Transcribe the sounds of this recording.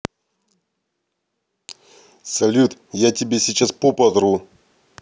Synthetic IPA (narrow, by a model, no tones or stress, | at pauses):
sɐlʲut̪jatʲɪbʲesʲɪt͡ɕaspopɐd̪ɾu